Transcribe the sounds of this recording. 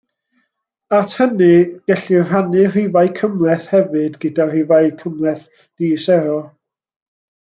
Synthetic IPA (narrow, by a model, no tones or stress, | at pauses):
atʰhənɨɡ̥ɛɬir̥anɨr̥ivajkʰəmlˠɛθhɛvɨdɡədar̥ɪvajkʰəmlˠɛθ | d̥iːsɛɾɔ